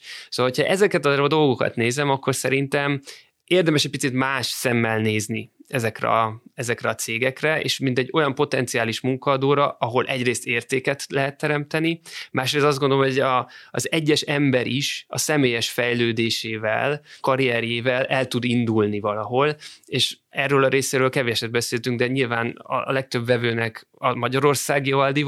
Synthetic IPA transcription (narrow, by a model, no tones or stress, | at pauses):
soːɒlɦocʰhɒʔɛzɛkɛt̪ɒd̪o̞lɡo̞kɒ̰t̪neːzɛmɒkːo̞rsɛɾint̪ɛm | eːrd̪ɛmɛʃɛc̚ʲpit̪sit̪maːʃsɛmːɛlneːzniɛzɛkrɛ̰ɒɛzɛkrɛɒt̪seːɡɛkrɛḛːʃmint̪ɛɟːo̞jɒmpo̞t̪ɛnt̪siaːliʃmuŋkɒːd̪oːɾɒʔɒɦo̞lʔɛɟreːst̪eːrt̪eːkɛt̪lɛɦɛt̪ːɛɾɛmt̪ɛnimaːʃreːst̪ɒzɡond̪olomoɟɒːzɛɟːɛʃɛmbɛɾʔiʃɒ̰sɛmeːjɛʃfɛjløːd̪eːʃeːvɛ̰lkɒɾiɛɾjeːvɛlɛlt̪ud̪ind̪ulnivɒlɒɦo̞leːʃ | ɛrːøːlɒɾeːseːɾøːlkɛveʃɛd̪̚bɛseːlt̪yŋɡd̪ɛɲilvaːnɒ̰lɛk̚t̪ø̞bvɛvøːnɛk | ɒmɒɟɒɾo̞rsaːɡiɒld̪i